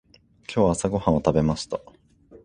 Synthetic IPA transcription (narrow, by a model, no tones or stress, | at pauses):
kʲo̞ːβaːsaɡo̞hãot̪abe̞maɕi̥t̪a